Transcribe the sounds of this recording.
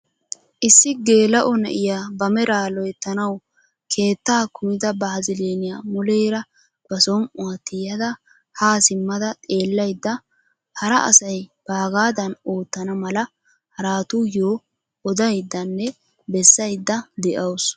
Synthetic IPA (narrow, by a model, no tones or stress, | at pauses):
ʔɪsːɪɡe̞ːlɐʔɔnɛ̰ʔɪjaːbɐmɛɾaːlɔjɛt̪ːɐnɐw | kʰe̞ːt̪ːaːkʊmɪd̪ɐbɐhɐzɪleːnɪjaːmʊlɛjɾɐ | b̥ɐsɔmʊat̪ːɪjɐd̪ɐ | haːsɪmːɐd̪ɐt̪ʼe̞ːlːɐjd̪ːɐ | hɐɾɐʔɐ̰sɐjb̥aːɡaːd̪ɐnoːt̪ːɐnɐmɐlɐ | hɐɾaːt̪ʊjoː | ɔd̪ɐjd̪ːɐnːɛ | bɛsːɐjd̪ːɐd̪ɛʔɐws